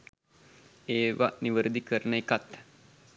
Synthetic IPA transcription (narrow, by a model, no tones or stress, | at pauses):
eːʋa̰niʋəɾəd̪ikəɾnəekat̪